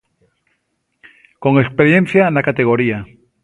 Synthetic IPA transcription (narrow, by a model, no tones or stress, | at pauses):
ko̞ŋekspeɾjen̟θjanakat̪eɣ̞o̞ɾia